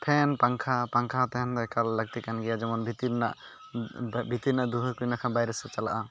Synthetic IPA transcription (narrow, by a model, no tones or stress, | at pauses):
pʰɛnpaŋkʰapaŋkʰat̪ɛɦɛnt̪ɛkalːəɡ̚t̪ikanɡɛjad͡ʒɛmɔnbʱit̪iɾna̰ʔ | bʱit̪iɾnaʔd̪uɦəkujnakʰanbajɾɛsɛt͡ʃala̰ʔa